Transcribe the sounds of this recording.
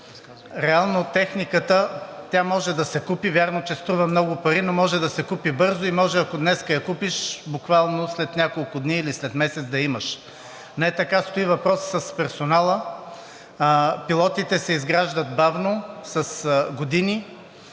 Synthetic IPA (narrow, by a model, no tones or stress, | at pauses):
ɾɛalˠnot̪ɛxnikət̪ət̪ʲjamɔʒɛd̪ɐsɛkupivʲjaɾnot͡ʃɛst̪ɾuvəmnɔɡʊpɐɾinomɔʒɛd̪ɐsɛkupibɤɾzoimɔʒɛɐkod̪nɛskəjɐkupiʃbʊkvalˠnoslɛt̪nʲakolˠkʊd̪niːlislɛt̪mɛsɛt̪zd̪ɐiməʃ | nɛt̪ɐkast̪oivɐpɾɔsːɐspɛɾsonalˠə | pilˠɔt̪it̪ɛsɛizɡɾaʒd̪ət̪̚bavnosɐsɡod̪ini